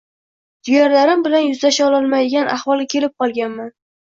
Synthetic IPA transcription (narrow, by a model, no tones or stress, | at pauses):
d̪̥ɪjaɾlaɾɪmbɪlanjʊzlaʃaɒlˠɒlˠmajd̪ɪɡʲanʔa̰hvɒlˠɡʲakʲʰe̞lɪp̚qʰɒlˠɡʲanman